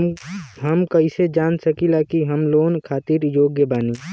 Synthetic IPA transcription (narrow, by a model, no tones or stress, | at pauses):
ɦəmkəɪsed͡ʒaːnsəkilakiɦəmloːnkʰaːt̪iɾjoːɡjəbaːni